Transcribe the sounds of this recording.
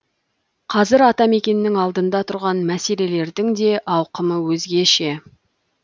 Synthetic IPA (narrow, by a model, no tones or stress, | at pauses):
qʰɑzɪɾɑt̪ɑme̞kʲe̞nɪːɪŋɑlˠd̪ənd̪ɑt̪ʰʊɾʁɑnmæse̞le̞le̞ɾd̪ɪŋd̪e̞ʔɑwqəməwɵzɡʲe̞ʃe̞